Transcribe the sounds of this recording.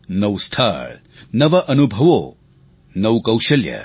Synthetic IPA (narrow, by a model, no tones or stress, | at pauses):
nɐwst̪ʰa̰ːɭ | nɐʋɐʔɐnubʱɐʋoː | nɐwkɐwʃɐljɐ̰